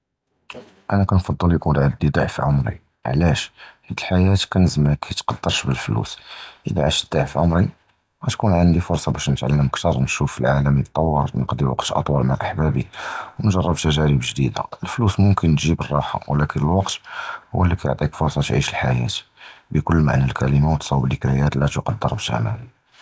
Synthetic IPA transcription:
ʔænækænfɑd̪ˤːəljkunʕaləd̪ːəd̪aʕfiʕʊmɾḭ | ʕlæʃħid̪əlħajæt̪kænəzməkʰæt̪qɑd̪ːəɾˤʃbəlflṵsʔə̰lːæ̰ʕaʃəd̪̥ːaʕfiʕʊmɾi | ɣæt̪kunʕənd̪ifʊɾsˤɑbæʃnət̪ʕa̰lːəməkt̪ɑɾˤnʃufəlʕaləmnət̪ˤːɑwːɑɾˤnqd̪iwɑ̰qt̪ʔɑ̰t̪ˤwɑlmaʕʔəħbæbḭwnʒɑrˤːɑbt̪æʒæɾəbʒd̪id̪a̰əlflusmʊmkənːʒibərˤːɑħa̰wlækənəlwɑqt̪hʊwːəlːikæjo̰ʕt̪ˤikfʊɾˤsˤɑt̪ʕḭʃəlħajæ̰t̪bəkʊlːma̰ʕnælkʰæləmawət̪sˤɑwəblikæjæt̪læt̪uqɑd̪ːəɾˤbʃʔæ̰mæ̰ni

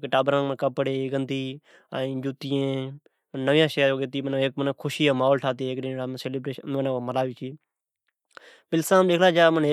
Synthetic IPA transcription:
kʈaːbɾãːmənkəpːəɽeːɡənd̪iː | aːĩːd͡ʒuːt̪ijẽː | mənəʋɪjãːʃeːoːɡet̪iːməneːk̚mənkʰʊʃiːaːmaːoːlʈʰaːt̪ieːkɗɪnːɽaːseːliːbɾeːmnãməlaːʋiːt͡ʃʰiː | pɪlsãːmɗeːkʰlaːd͡ʒaːməne

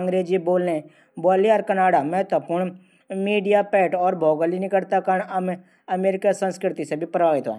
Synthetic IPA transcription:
ə̃ŋɡɾeːd͡ʒiboːlne | bɔːliɔːɾkɐnaːɽamɛɦt̪wəpʊɾɳ | miːɖijapɛːʈɔːɾbʱɔːɡəlinɪkəɽt̪akəɳəm | ɐmeːɾɪkasə̃nskɾɪt̪isebʱipɾəbaːɡɪt̪ʋõ̰

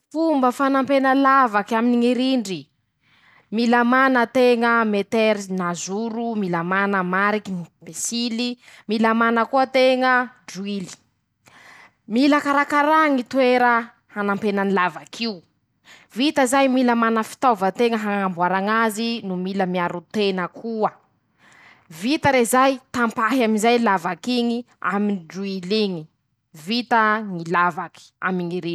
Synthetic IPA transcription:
fumbəfanampenəlavakaminiŋiɾiɳɖ͡ʐi | milamanət̪eŋəmet̪eɾinazuɾumiləmanəmaɾikinibesilimilamanəkuət̪eŋəɖ͡ʐuili̥ | miləkaɾakaɾaŋit̪weɾə | hanampenanilavakʰiu | vit̪əzajmilamanəfi̥t̪ovət̪eŋəɦaŋŋambuaɾaŋazinumiləmiaɾut̪enəkʰuə | vit̪əɾezajt̪ampaɦamizajlavakiɲi | a̰miniɖ͡ʐuiliɲi̥ | vit̪əŋilavaki̥a̰miŋiɾi

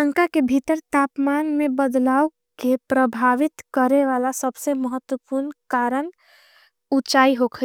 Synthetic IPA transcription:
ə̃ŋkakebʱit̪əɾt̪aːpmaːnmẽbəd̪laːu | kepɾəbʱaːʋɪt̪kəɾeʋalasəbseməɦət̪wəpuɾnkaːɾən | ut͡ʃaːiɦokʰə

